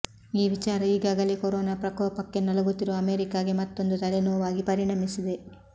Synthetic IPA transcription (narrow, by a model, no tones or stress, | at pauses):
iːʋit͡ʃaːɾɐiːɡaːɡɐlekoɾoːnaːpɾɐkɔːɐpɐkːenɐlɐɡut̪ːiɾoɐmeːɾikaːɡe̞mɐt̪ːo̞nd̪ut̪ɐlenɔːʋaːɡipɐɾiɳɐmisid̪e̞